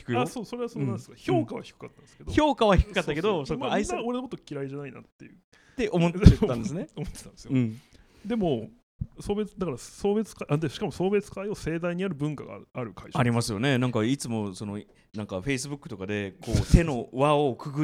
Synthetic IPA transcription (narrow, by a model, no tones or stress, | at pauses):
i̥kɯasoːso̞ɾeasonãneskço̞ːkaβa̰çi̥kɯ̟kat̪ːand̪sɨkeoço̞ːkaβaçi̥kɯ̟kat̪ːake̞d̪osoːmaoɾe̞nmot̪ːokʲiɾaiʑanaina̰t̪ːejɯ̟̰ | t̪e̞ʔomot̪ːãnd̪esɨneomot̪ːet̪ãnd̪esɨjoɯ̟̃ɴ | d̪e̞mo̞ | so̞ːbe̞t͡sd̪akaɾaso̞ːbe̞t͡sɨ̥kaiʔand̪eɕi̥kamo̞so̞ːbe̞t͡sɨ̥kaio̞se̞ːd̪aiɲ̟iaɾɯ̟bɯ̟̃ŋkaɡa̰aɾɯ̟kaiʑaɾʲimasɨjo̞ne̞nãŋkait͡sɨmo̞sono | nãŋkaɸe̞is̬ɨbɯ̟kːɯ̟t̪o̞kad̪e̞kʰo̞ːt̪e̞no̞βaokɯ̟ɡɯ